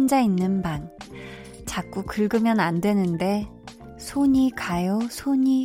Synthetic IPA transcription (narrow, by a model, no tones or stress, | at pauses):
nd͡ʑainːɯnban | t͡ɕak̚k͈ukɯɭɡɯmjʌnandwe̞nɯnde̞ | sʰoɲikajosʰoɲi